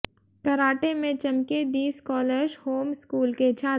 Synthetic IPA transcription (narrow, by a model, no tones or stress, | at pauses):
kɐɾaːʈemẽt͡ʃɐmked̪iːskɔːləɾd͡ʒhoːmskuːlket͡ʃʰaː